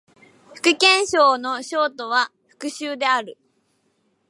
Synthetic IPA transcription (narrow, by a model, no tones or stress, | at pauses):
ɸɯ̟̥kɯ̟kẽ̞ɰ̃ɕo̞ːno̞ɕo̞ːt̪o̞β̞aɸɯ̥kɯ̟ɕɨːd̪e̞aɾɯ̟